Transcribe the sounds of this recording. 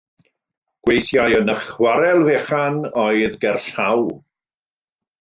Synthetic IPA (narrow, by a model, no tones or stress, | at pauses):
ɡ̥wejθjajənəχwaɾɛlˠveːχanɔɨðɡɛrɬaw